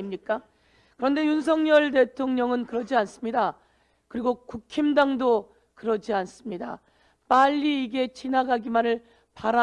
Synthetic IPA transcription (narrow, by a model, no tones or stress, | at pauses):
imɲik͈a | kɯɾʌnde̞juns̬ʰʌŋɲʌɭde̞tʰoŋɲʌŋɯnkɯɾʌd͡ʑians͈ɯmɲida | kɯɾiɡokukʰimdaŋdo | kɯɾʌd͡ʑians͈ɯmɲida | p͈aʎːiːɡe̞t͡ɕinaɡaɡimanɯɭ | paɾa